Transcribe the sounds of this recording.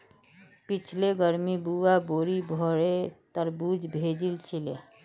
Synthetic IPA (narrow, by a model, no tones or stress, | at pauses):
pit͡ʃʰleɡəɾmibuwaboɾibʱɔɾet̪əɾbud͡ʒbʱed͡ʒilt͡ʃʰile